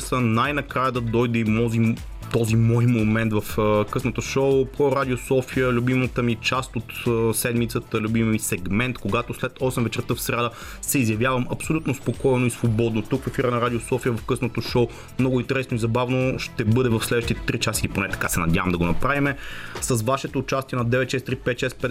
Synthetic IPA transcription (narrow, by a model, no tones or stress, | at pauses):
sənajnɐkɾajəd̪ɐd̪ɔjd̪ɛimɔzi | t̪ɔzimɔjmomɛnt̪vɐfkɤsnət̪oʃoʊpɾoɾad̪ʲiosɔfijəlʲubimət̪əmit͡ʃast̪ot̪ːsɛd̪mit̪sət̪əlʲubimmisɛɡmɛnt̪koɡat̪oslɛt̪ɔsɛmvɛt͡ʃɛɾt̪ɤfsɾʲad̪ə | sɛizjɐvjavəmɐpsolʲut̪nospokɔjnoisvobɔd̪not̪ukfɐfiɾənɐɾad̪ʲiosɔfijəvɐfkɤsnot̪oʃoʊ | mnɔɡoʊint̪ɛɾɛsnoizɐbavnoʃt̪ɛbɤd̪ɛvɐfslɛd̪vəʃt̪it̪ɛt̪ɾit͡ʃasiliponɛt̪ɐ̥kasɛnɐd̪ʲavəmd̪ɐɡonɐpɾavimɛsəsvaʃɛt̪oːt͡ʃast̪ʲiɛnɐd̪ɛvɛt̪ʃɛst̪ɾipɛt̪ʃɛspɛɛ